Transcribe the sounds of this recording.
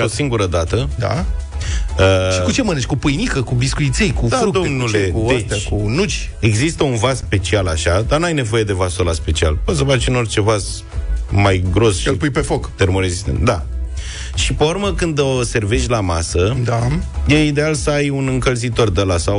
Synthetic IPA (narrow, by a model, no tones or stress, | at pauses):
osiŋɡuɾəd̪at̪əd̪a̰ | əʃikut͡ʃe̞məneʃʲkupɨjnikəkubiskujit̪sejkud̪faukd̪omnulekuet͡ʃt̪ʲakunut͡ʃʲ | e̞ɡzist̪əunvasspe̞t͡ʃialaʃad̪anuajne̞vo̞je̞d̪e̞vasolaspe̞t͡ʃia̰lposəvat͡ʃɨno̞rt͡ʃe̞vaz | majɡɾo̞sʃilpujpefokt̪e̞ɾmoɾezist̪ḛnt̪d̪a | ʃipeurməkɨnd̪ose̞rve̞ʃtʲlamasəd̪ajejid̪e̞alsəajunɨŋkəlzit̪o̞rd̪əlasa